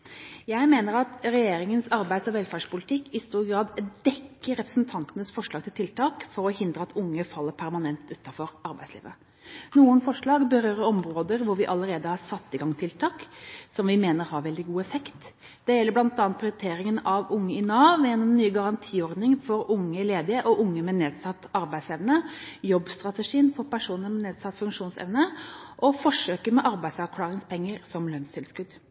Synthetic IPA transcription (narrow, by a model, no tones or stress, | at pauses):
jæɪmeːnəɾɑt̪ɾɛjeːɾɪŋənsɑɾbæɪd̪sɔʋɛlfæːʂpʊlɪt̪ʰɪkːɪst̪uːɾɡɾɑːd̪d̪ɛkːəɾɾɛpɾəsn̩t̪ʰɑnt̪ənəsfɔʂlɭɑːɡ̚t̪ɪlt̪ɪlt̪ʰɑːkfɔɾɔhɪnd̪ɾəɑt̪ʰʊŋːəfɑlːəpʰæɾmɑnɛnt̪ʉːt̪ːɑfɔɾʔɑɾbæɪslḭːʋə | nuːənfɔʂɭɑːɡbəɾøːɾəɾɔmɾoːd̪əɾʋʊɾʋɪʔɑləɾeːd̪əhɑɾsɑt̪ːɪɡɑŋt̪ʰɪlt̪ʰɑːksɔmʋɪmeːnəɾhɑɾʋɛld̪ɪɡuːɛfɛkt̪ | d̪̥ɛjɛlːəɾblɑnt̪ɑːnt̪̚pʰɾɪʊɾɪt̪ʰeːɾɪŋənɑʋʊŋːəɪnɑːʋɛnnːyːɡɑɾɑnt̪ʰiːɔɾd̪nɪŋfɔɾʊŋːəleːd̪ɪəʔɔʔʊŋːəmɛneːd̪sɑt̪ːɑɾbæɪsɛʋnəjɔbst̪ɾɑt̪əʂiːənfɔɾpæʂuːnəɾmɛneːd̪sɑt̪ːfʉŋkʂuːnsɛ̰ʋnəʔɔfɔʂøːkəɾmɛʔɑɾbæɪsɑɾkʰlɑːɾɪŋspʰɛŋːəɾsɔmløːnsɪlskʉd̪